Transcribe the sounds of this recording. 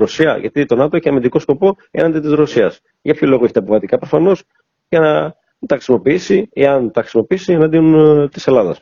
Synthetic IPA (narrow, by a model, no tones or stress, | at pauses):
ɾo̞siɐ̰ʝɐ̰t̪it̪o̞nɐt̪o̞eçɐmind̪iko̞sko̞po̞ | e̞̰nɐnd̪it̪izɾo̞siɐs | ʝɐpçolo̞ɣoeçet̪ɐpovɐt̪ikɐpɾo̞fɐno̞s | ʝɐnɐ | t̪ɐxɾisimo̞piisieɐnt̪ɐxɾisimo̞piisienɐnd̪it̪i̥se̞lɐðɐ̰s